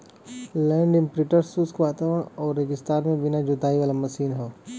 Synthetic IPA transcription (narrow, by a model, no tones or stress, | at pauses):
lɛ̃ːɳɖɪ̃mpɾɪʈəɾsuːskʋaːt̪aːʋəɽ̃ɔːɾːeɡɪst̪aːɾmẽbɪnad͡ʒʊd̪aːiʋaːlamɐsiːnɦoː